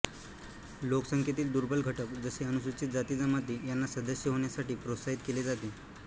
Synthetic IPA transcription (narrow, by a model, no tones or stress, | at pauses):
loksəŋkʰjet̪iːld̪uɾbʱəlɡʱəʈəkd͡zəseənuɕut͡ɕiːt̪̚d͡zat̪iːd͡zəmad̪ʱijanːasəd̪əɕjəɦoɳ̃jasaʈiːpɾosaɦit̪̚keled͡zat̪eː